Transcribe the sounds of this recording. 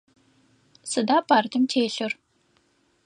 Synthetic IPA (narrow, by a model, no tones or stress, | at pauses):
sɨdaːpʰaːrdʰɨmtʰeːɬɨr